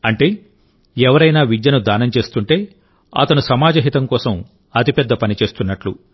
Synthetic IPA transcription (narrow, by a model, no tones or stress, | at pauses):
ɐɳʈe̞ː | ɛʋɐɾɐjnaːʋid͡ʒjɐnud̪aːnɐmt͡ʃe̞ːst̪uɳʈe̞ː | ɐ̰t̪ɐnusɐmaːd͡ʒɐɦit̪ɐmkɔːsɐm | ɐt̪ipɛd̪ːɐpɐnit͡ʃe̞ːst̪unːɐʈlu